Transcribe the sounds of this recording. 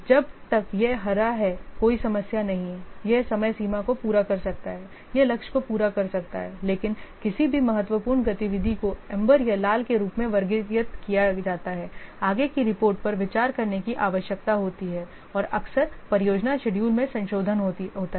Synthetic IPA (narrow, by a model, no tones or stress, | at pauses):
d͡ʒɐb̚t̪ɐkjeɦɐɾaɦɛkoːisɐməsjanɐɦĩjesɐməjsiːmãkopuːɾakɐɾsɐk̚t̪aɦɛː | jelɐkʃkopuːɾakɐɾsɐk̚t̪a̰ɦɛleːkɪnkɪsibʱimɐɦət̪ʋəpuːɾnɡɐt̪ɪʋɪd̪ʱikoɛ̃mbəɾjalaːlkeɾuːpmẽʋɐɾɡɪjət̪kijad͡ʒaːt̪aɦɛːaːɡekiɾɪpoːɾʈ̚pɐɾʋɪt͡ʃaːɾkɐɾnekiʔaːʋəʃjək̚t̪aɦoːt̪iɦɛː | ɔːɾɐksəɾpɐɾɪjoːd͡ʒnaʃɛɖjuːlmẽsɐ̃nʃoːd̪ʱənɦoɦoːt̪a